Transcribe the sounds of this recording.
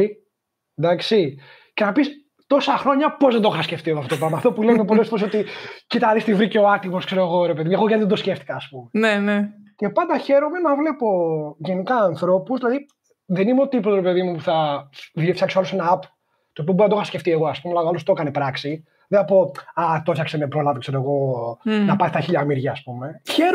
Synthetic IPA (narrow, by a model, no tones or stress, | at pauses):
i | d̪ɐksi | ce̞nɐpis | t̪o̞sɐxɾo̞ɲɐpo̞zðed̪oxɐsce̞ft̪ioɣoft̪ot̪opɾɐmɐːft̪opulemepo̞lesfoɾesot̪icit̪ɐnist̪ivɾiceoɐt̪imoskse̞ɾoɣo̞ɾepe̞ðimueɣoɣɐniðed̪o̞sceft̪i̥kɐːspumenenece̞pɐnd̪ɐçe̞ɾo̞me̞nɐvlepo̞ʝe̞nikɐːnθɾo̞puzðilɐði | ðenimeot̪ipoɾepe̞ðimupuθɐðfçɐksoɐlosenɐɐpo̥ | t̪oːp̬ioboɾnɐd̪oɐsceft̪ie̞ɣoɐspumealɐoalost̪okɐnepɾɐksi | ðeθɐpo̞ɐt̪ofçɐksenepɾolɐvokse̞ɾoeɣo̞nɐpɐɾst̪ɐçiʎɐmiɾʝɐːspume̞çeɾ